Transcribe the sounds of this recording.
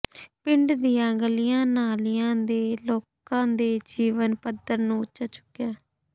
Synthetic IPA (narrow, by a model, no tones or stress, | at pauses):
pɪɳɖd̪ijãːɡəlɪjãːnaːlɪjãːd̪eːloːkãːd̪eːd͡ʒiːʋənpəd̪əɾnũːʊtːʃaːt͡ʃʊ̥kːɪjaː